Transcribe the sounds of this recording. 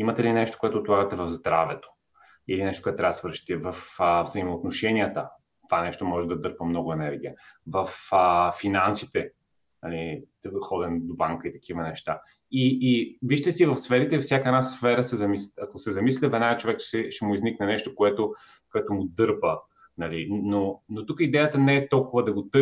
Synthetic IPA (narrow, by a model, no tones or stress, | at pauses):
imɐt̪ɛlinɛʃt̪o̥koɛt̪oːt̪lˠaɡət̪ɛvɐvzd̪ɾavɛt̪o̥ | ilinɛʃt̪okoɛt̪ɾasvɾəʃt̪ivɐfəvzəimoot̪noʃɛniət̪ə | t̪ovanɛʃt̪omɔʒɛd̪ɐd̪ɤɾpəmnɔɡʊɛnɛɾɡ̟iəvɐfəfinansit̪ɛ | ɐlit̪xɔd̪ɛnd̪obaŋkəit̪ɐ̥k̟ivənɛʃt̪a | iːviʃt̪əsivɐfsfɛɾit̪ɛfsʲjakəɛnasfɛɾəsɛzɐmisɐkosɛzɐmislʲɛvɛnaɡət͡ʃovɛkɛʃɛmʊizniknɛnɛʃt̪okoɛt̪o | koɛt̪omʊd̪ɤɾpə | nɐlinonot̪ukəid̪ɛjət̪ənɛːt̪ɔlˠkʊvəd̪ɐɡot̪ɤ